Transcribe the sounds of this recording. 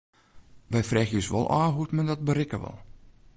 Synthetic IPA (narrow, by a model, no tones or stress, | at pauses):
ʋɛjfrɛːxjøsʋɔ̰lˠaːɦutmɛndɔt̚bəɾɪkəʋɔ̰lˠ